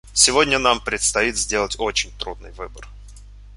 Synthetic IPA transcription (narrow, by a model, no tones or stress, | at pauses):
sʲɪvo̞dʲnʲənampɾʲɪt̪st̪ɐit̪zʲdʲe̞lˠətʲo̞t͡ɕɪnʲt̪ɾud̪̚nɨ̰jvɨbər